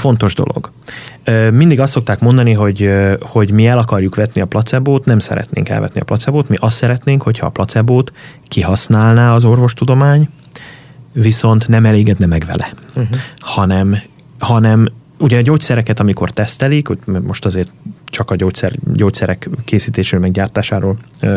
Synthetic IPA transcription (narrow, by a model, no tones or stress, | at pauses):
fo̞nt̪o̞ʒd̪o̞̰lo̰ɡ̥ː | mind̪iɡɒst̪ːok̚t̪aːkmo̞nd̪ɒniɦo̞ɟho̞ɟmiɛlɒkɒrjukʋɛt̪niɒplɒt̪sɛboːt̪nɛmsɛ̰ɾɛ̰t̪nḛːŋkɛ̰lvɛ̰t̪niɒ̰plɒt̪sɛboːt̪miʔɒst̪ːsɛɾɛt̪neːŋkho̞chɒːplɒt̪sɛboːt̪ | kiɦɒsnaːlnaːɒzo̞rvo̞ʃt̪ud̪o̞maːɲ | viso̞nt̪nɛmɛleːɡɛd̪nɛmɛɡʋɛ̰lɛ̰ | hɒnɛm | hɒnɛm | uɟɛɟoːc̚sɛɾɛkɛt̪ɒmiko̞rt̪ɛst̪ɛlikommo̞ʃt̪ɒzeːrt̪t͡ʃɒkɒɟoːct̪sɛ̰rɟoːc̚tsɛɾɛkːeːsiːt̪eːʃøːmɛɡɟaːrt̪aːʃaːɾoːl